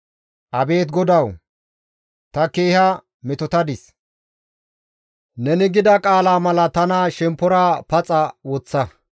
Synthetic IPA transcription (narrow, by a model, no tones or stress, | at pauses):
ʔɐbe̞ːt̪ɡɔd̪ɐw | t̪ɐke̞ːhɐ | mɛt̪ɔt̪ɐd̪ɪs | nɛnɪɡɪd̪ɐkʼaːlaːmɐlɐt̪ɐnaʃɛmpːɔɾaːpɐt͡sʼɐwɔt͡sːɐ